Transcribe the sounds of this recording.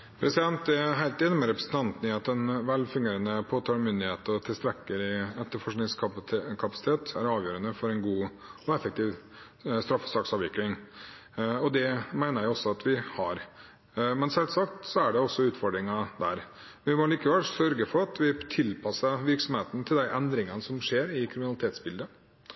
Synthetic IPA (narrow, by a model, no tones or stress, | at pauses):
pʰɾɛsɪd̪ɛnt̪d̪ɛɦæɪlt̪jɛnɔmɛɾɛpɾəsən̩t̪ʰɑnt̪nyːet̪ɛnʋɛlːfʉŋɡeːɾənəpʰoːt̪ʰɑːlmʏnd̪ɪheːt̪ɔt̪ʰɪlst̪ɾɛkːəɾɪɛt̪ːəɾfɔʂknɪŋsʰkʰɑpɑ̥sɪt̪ʰeːt̪æ̰ɾɑːʋjøːɾənəfɔɾɛnɡuːɔɛfəkt̪iːʋ | st̪ɾɑfːɔ̥sɑːksɑːʋɪklɪŋ | ɔd̪ɛmæɪnəɾjæɪɔsːɔɑt̪ʋɪhɑɾ | mɛnsɛlsɑkt̪sɔæɖɛɔsːɔʉːt̪fɔɖɾɪŋɑd̪æɾ | ʋɪmɔliːkəʋɛlsœɾɡəfɔɾɑt̪ʋɪt̪ʰɪlpʰɑsəʋɪɾksɔmheːt̪ən̩t̪ʰɪld̪æɪʔɛnd̪ɾɪŋənəsɔmʂeːɾɪkʰɾɪmɪnɑlɪt̪eːt̪sbɪld̪ə